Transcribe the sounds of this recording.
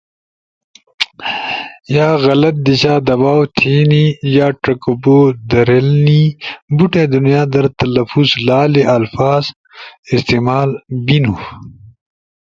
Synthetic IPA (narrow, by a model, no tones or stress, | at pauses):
jaːɣɐlɐt̪̚d̪iɕaːd̪ɐbaːwt̪ʰiːnijaːʈɐkuboːd̪ɐɾelniːbuʈed̪unjaːd̪ɐɾt̪ɐlɐfuːzlaːleʔɐlfaːz | ist̪iːmaːlbinu